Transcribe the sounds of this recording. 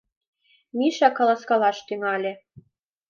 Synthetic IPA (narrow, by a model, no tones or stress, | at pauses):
miʃɑkɑlˠɑskɑlɑʃt̪yŋɑlʲĕ